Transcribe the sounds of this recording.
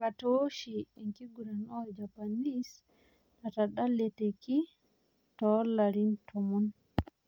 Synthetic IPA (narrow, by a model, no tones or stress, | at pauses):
katoʃiːŋkiɡuɾanɔd͡ʒapanis | ɗataɗalːɛteki | tɔlaɾintʰɔmun